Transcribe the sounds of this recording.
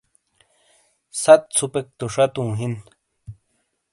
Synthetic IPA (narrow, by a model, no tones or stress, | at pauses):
sat̪̚t͡sʰupek̚t̪uʂat̪uŋɦin